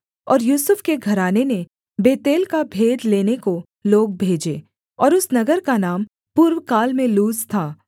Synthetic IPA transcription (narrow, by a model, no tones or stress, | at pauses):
ɔːɾjuːsʊfkeɡʱɐɾaːnenẽ | beːt̪eːlkabʱeːd̪leːneko | loːɡ̚bʱeːd͡ʒeː | ɔːɾʊsnɐɡəɾkanaːm | puːɾwkaːlmẽluːzt̪ʰaː